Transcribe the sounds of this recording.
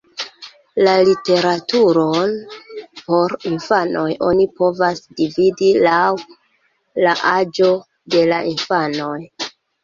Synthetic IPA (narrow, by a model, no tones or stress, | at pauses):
lalite̞ɾatuɾo̞npo̞ɾinfano̞jʔo̞̰nipo̞vasdividilaw | laʔad͡ʒo̞ | de̞laʔinfano̞j